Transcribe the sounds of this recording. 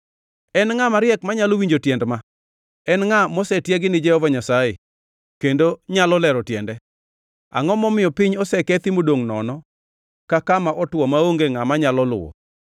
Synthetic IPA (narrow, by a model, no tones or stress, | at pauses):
ɛnŋamaɾɪjɛkmaɲalowiɲd͡ʒotjɛndma | ɛnŋamɔsɛtjɛɡɪnɪd͡ʒɛhɔvaɲasaje | kendoɲalɔlɛɾɔtjɛndɛ | a̰ŋɔmɔmɪjɔpɪɲɔsɛkɛt̪ɪmodoŋnɔ̰nɔ | kakamaʔɔtwɔmaoŋɡeŋamaɲalɔlʊ̰wɔ̰